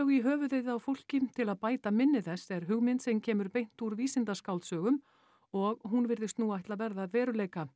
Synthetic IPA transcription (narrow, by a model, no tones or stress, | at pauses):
ɣiɦœːvʏðejðɪawfowl̥cɪt̪ʰɪlaðpaːjt̪amɪnːɪθɛsːɛɾ̥ɦʏɣmɪnt̪sɛmcʰɛːmʏɾpejn̥t̪uɾviːsɪnt̪askawlt̪sœːɣʏm | ɔɣɦunvɪɾðɪst̪nuajht̪laðvɛɾðaːðvɛːɾʏleːjka